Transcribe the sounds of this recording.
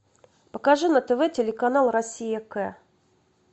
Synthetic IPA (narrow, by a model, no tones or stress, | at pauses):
pəkaʐɨnət̪əvɛtʲɪlʲɪkanalˠrɐsʲijəkɛ